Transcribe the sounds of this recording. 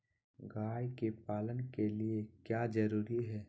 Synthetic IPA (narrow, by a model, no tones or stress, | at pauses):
ɡaːjkepaːlənkeliekjaːd͡ʒɐɾuːɾiɦɛː